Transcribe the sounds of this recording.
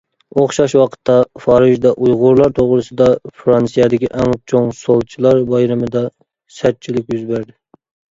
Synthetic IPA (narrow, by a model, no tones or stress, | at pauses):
oχʃɑʃwɑqʰə̥t̪ʰːɑfɑːɾɨʒd̪ɑʔujʁʊɾlˠɑɾt̪ʰoʁɾɨsɨd̪ɑfɾɑnsijɛd̪ɪkʲiʔɛŋt͡ʃʰoŋsolˠt͡ʃʰilˠɑɾbɑjɾɨmɨd̪ɑ | sæɾ̚t͡ʃʰilɪkʲjyzbæɾd̪ɪ